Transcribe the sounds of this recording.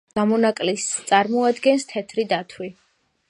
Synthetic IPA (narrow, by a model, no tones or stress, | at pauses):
amɔnakʼlist̪sʼaɾmɔad̪ɡɛnst̪ʰɛt̪ʰɾid̪at̪ʰwi